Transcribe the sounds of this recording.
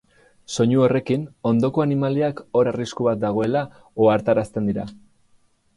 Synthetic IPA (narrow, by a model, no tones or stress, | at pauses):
so̞ɲuo̞re̞kino̞nd̪o̞ko̞animaliako̞ɾariskuβat̪̚d̪aɣ̞o̞e̞la | oaɾt̪aɾast̪e̞nd̪iɾa̰